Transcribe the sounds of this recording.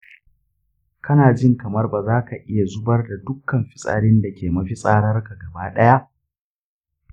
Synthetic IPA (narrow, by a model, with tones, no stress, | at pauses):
kɐ˦naː˨d͡ʒɪ˦ŋkɐ˨mɐ˦rbaː˨zaː˦ka˨ʔɪ˦ja˨zʊ˦bɐ˦rda˨dʊ˦kːɐ˨mɸɪ̥˦sʼɐ̰˨ɽɪ˦nda˨kʲeː˨mɐ˦ɸi˦sʼaː˦ɽɐ˦rka˨ɡɐ˨baː˦ɗɐ˦ja˦ʔ